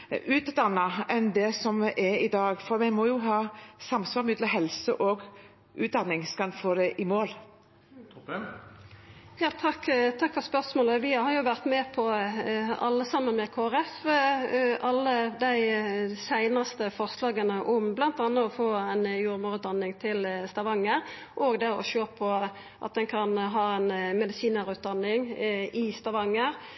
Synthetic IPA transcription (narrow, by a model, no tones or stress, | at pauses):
ʉːt̪d̪ɑnːɑɛnd̪ɛsɔmʔɛɾɪd̪ɑːɡfɔɾmɛmɔjʊɦɑːsɑmsʋɑːɾmʏd̪ləɦɛlsəʔɔɡ | ʔʉ̰ːt̪̚d̪ɑnːɪŋskɑnfoːd̪ɛʔɪmoːl | jɑːt̪ʰɑkːt̪ʰɑkfɔspœʁsmoːləʋɪhɑɾjʊʋæʁt̪mɛpʰɔ | ɑlːəsɑmːənmɛkʰoːæʁɛf | ʔɑlːəd̪æɪsæɪnɑst̪əfɔʁslɑːɡənəʔɔmblɑnt̪ɑnːəɔfoːæɪnjuːʁmuːʁʉːt̪̚d̪ɑnːɪŋt̪ʰɪlst̪ɑʋɑŋːəɾ | ʔoːɡd̪ɛɔ̰ʃøːpʰɔ | ʔɑ̰t̪̚d̪ɛnkʰɑnɦɑːɛɪnmɛd̪ɪsiːnəʁʉːt̪̚d̪ɑnːɪŋɪst̪ɑʋɑŋːəʁ